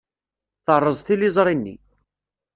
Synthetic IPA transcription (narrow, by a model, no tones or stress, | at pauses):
θərˤːəzˤθilizˤɾˤinːḭ